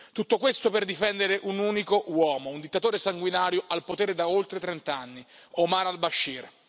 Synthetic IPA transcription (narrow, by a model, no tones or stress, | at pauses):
t̪ut̪ːokwest̪operd̪ifɛnd̪eɾeʔunuːnikowɔːmound̪it̪ːat̪oːɾesaŋɡwinaːɾjoʔalpot̪eːɾed̪aolt̪ɾet̪ɾɛnt̪anːiomaɾalbaʃːir